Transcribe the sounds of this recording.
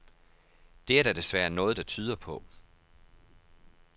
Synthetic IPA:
d̥e̝æɐɾ̥æd̥e̝sʋæɐnɔ̽ːð̞̩ˠd̥ɑ̈t͡sʰyːð̞ˠɐpʰɒ̽

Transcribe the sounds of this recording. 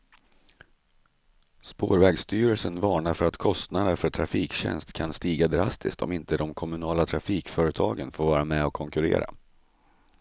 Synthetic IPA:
spo̰ːɾvɛɡst̪yːɾəlsənvɑːɳaɾfœɾat̪kʰɔst̪nad̪əɾfœʈʰɾafiːkɕɛ̰nst̪kʰanst̪iːɡad̪ɾast̪ʰɪ̰st̪ʰɔ̰mɪnt̪ʰəd̪ɔmkʰɔmɵnɑːlat̪ʰɾafiːkfœːɾət̪ʰɑːɡənfoːɾvɑːɾamɛɔkʰɔŋkɵɾḛːɾa̰

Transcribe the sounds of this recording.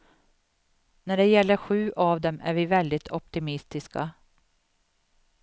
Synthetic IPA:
næɖɛjɛlːəɾɧʉ̟ːʔavd̪ɛmæ̰ɾviːvɛld̪ɪt̪ʰɔpt̪ɪmɪst̪ɪska̰

